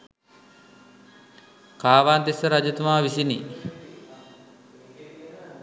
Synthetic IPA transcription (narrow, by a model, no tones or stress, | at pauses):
kaːʋaːnd̪esəɾad͡ʒut̪umaːʋisinḭ